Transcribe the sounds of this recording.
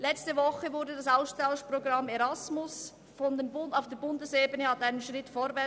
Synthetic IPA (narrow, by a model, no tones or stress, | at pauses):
lɛt͡stəvɔχəvʊɾdədɑsaʊstʰaʊʃproɡrɑmeɾɑsmʊs | fɔndemʊnaʊfd̥eːɐbʊndəseːbənəhɑtaɪnənʃʁɪtfoːɾvɛ